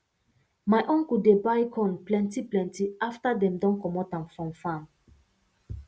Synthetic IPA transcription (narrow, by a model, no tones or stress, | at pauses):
majʔɔ̃ŋkudebajkʰɔ̃nplɛ̃ntiplɛ̃ntiaftadɛ̃mdɔ̃nkɔmɔtãmfɹɔ̃mfãm